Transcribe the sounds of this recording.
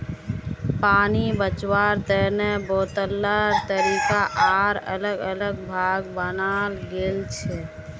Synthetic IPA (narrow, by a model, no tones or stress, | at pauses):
paːnibət͡ʃwaɾt̪ənebot̪əlːəɾt̪əɾikaʔaɾə̰ləɡələɡbʱaɡbənalɡelt͡ʃʰɛ